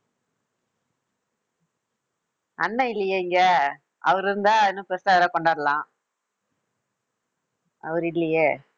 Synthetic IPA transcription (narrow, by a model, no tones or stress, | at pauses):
ɐnːɐɪlːɐjeɪŋɡɐ | ɐʋɐɾɪɾɯnd̪aːɪnːɯ̃pestaːʋɾaːkɔɳɖaːɾɐlãː | ɐ̰ʋɐɾɯɪlːɐjeː